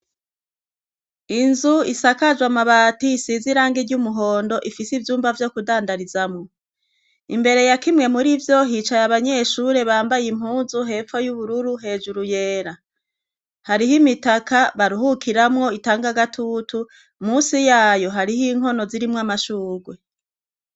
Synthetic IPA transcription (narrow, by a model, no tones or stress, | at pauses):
inzuisakad͡ʒwamaβaːtisiziɾaːŋɡiɟumuɦo̞ːndo̞ʔifisivjuːmbavjo̞kudaːndaɾizamŋo | ḭmbe̞ɾe̞jakimŋe̞muɾivjo̞ɦit͡ʃajaβaɲe̞ʃuɾe̞βaːmbajim̥huːnzuɦe̞ːfo̞juβuɾuɾuɦe̞ːʒuɾuje̞ːɾa | haɾihimitakaβaɾuhukʰiɾamŋo̞itaːŋɡaɡatʰutʰu | muːsijaːjo̞ɦaɾihiŋ̥ɦo̞no̞ziɾimŋamaʃuːɡwe̞